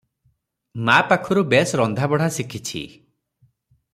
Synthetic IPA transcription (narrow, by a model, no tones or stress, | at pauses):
mapakʰɔɾubesɾɔnd̪ʱabɔɽ̤asikʰit͡ʃʰḭ